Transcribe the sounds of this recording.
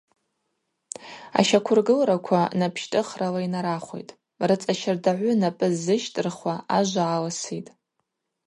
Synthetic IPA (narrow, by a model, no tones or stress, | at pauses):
a̰ʃakʷʰʊrɡɨlrakʷʰanapʰʃtʼɨχralainaɾaχʷo̞̰jtʼ | rɨt͡sʼaʃɪrdaʕʷʊnapʼɨzːɨʃtʼɨrχwaaʒʷaːlasitʼ